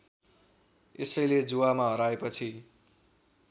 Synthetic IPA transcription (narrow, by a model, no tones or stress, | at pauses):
esʌjled͡zuwamaɦʌɾaepʌt͡sʰi